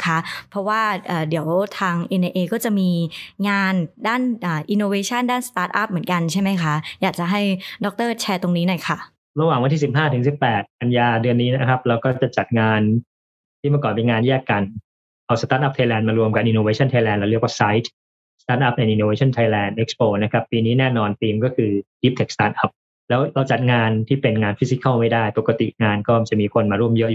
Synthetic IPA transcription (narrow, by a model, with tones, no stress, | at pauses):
kʰa˦˥ʔpʰɾɔ˦˥waː˥˩ʔaː˨˩di˨˩˦əwt̪ʰaː˧ŋʔe˧nʔe˧ʔeː˧kɔː˥˩t͡ɕa˨˩miː˧ŋaː˧ndaː˥˩nʔaː˨˩ʔi˧nːoː˧weː˧˥t͡ɕʰa˥˩ndaː˥˩nst̪aː˦˥t̪̚ʔa˦˥p̚mɯ˩˦ənka˧nt͡ɕʰa˥˩jma˦˥jkʰa˦˥jaː˨˩k̚t͡ɕa˨˩ɦa˥˩jdɔ˦˥k̚t̪ɤː˥˩t͡ɕʰɛː˧t̪o˧ŋniː˦˥nɔ˨˩jkʰa˥˩ | ɾa˧waː˨˩ŋwa˧nt̪ʰiː˥˩sp̚ɦaː˥˩t̪ʰɯ˩˦ŋsi˨˩pːɛː˨˩t̪̚ʔa˧njaː˧dɯ˧ənːiː˦˥na˦˥kʰɾa˦˥p̚ɾɛː˦˥wkɔː˥˩t͡ɕa˨˩t͡ɕa˨˩t̪̚ŋaː˧n | t̪ʰiː˥˩ma˥˩kɔː˨˩npiː˧ŋaː˧njɛː˥˩kːa˧n | ʔa˧wst̪aː˦t̪̚ʔa˦˥p̚t̪ʰa˧jlɛː˧nmaː˧ɾu˧əmka˨pʔi˧noː˧weː˧˥t͡ɕʰɔ˥˩nt̪ʰa˧jlɛː˧nlɛ˦˥˦ɾəkwaː˥˩sa˦˥jt̪ʰ | st̪aː˦˥t̪̚ʔa˦˥p̚ʔɛ˧nʔi˧noː˧weː˧˦t͡ɕʰɔ˥˩nt̪ʰa˧jlɛː˧nʔe˦˥k̚spoː˧na˦˥kʰa˦˥pːiː˧niː˦˥nɛː˥˩nɔː˧nt̪iː˧mkɔː˥˩kʰɯː˧di˦˥p̚t̪ʰe˨˩k̚st̪aː˦˥t̪̚ʔa˦˥p̚ | lɛː˦˥wɾa˧wt͡ɕa˨˩t̪̚ŋaː˧nt̪ʰiː˥˩pe˧nŋaː˧nfi˦˥si˦˥ka˥˩ma˥˩jdaː˥˩jpo˨˩ka˧t̪ḭ˨˩ŋaː˧nkɔː˥˩˧t͡ɕa˨˩miː˧kʰo˧nmaː˧ɾu˥˩əmjɤ˦˥ʔjuː˨˩